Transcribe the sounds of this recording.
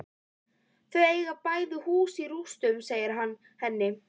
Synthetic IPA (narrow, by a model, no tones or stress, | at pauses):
θœɥjejɣapaːjðɪhuːsiɾust̪ʏmseːjɪɾɦanː | hɛnːɪ